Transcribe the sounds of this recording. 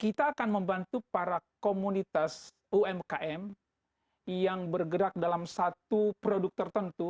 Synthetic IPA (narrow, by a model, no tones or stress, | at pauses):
kit̪aːkanməmbant̪upaɾakomunit̪as | uɛmkaʔɛm | jaŋbərɡəɾak̚dalamsat̪upɾoduk̚t̪ərt̪ənt̪u